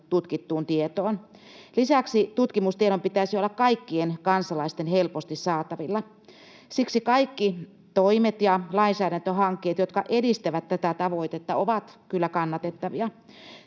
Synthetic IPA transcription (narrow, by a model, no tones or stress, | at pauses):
t̪ut̪kit̪ːuːnt̪iet̪oːn | lisæksit̪ut̪kimust̪ieɾompit̪æsiolːɑkkɑikːienkɑnsɑlɑist̪enhelpost̪issɑːt̪ɑʋilːɑ | siksikɑikːi | t̪oimet̪jɑlɑinsæːɾænt̪øhɑŋkːeːt̪jot̪kɑʔedist̪æʋæt̪tæt̪æt̪ɑʋoit̪et̪ːɑoʋɑt̪kylːækɑnːɑt̪et̪ːɑʋiɑ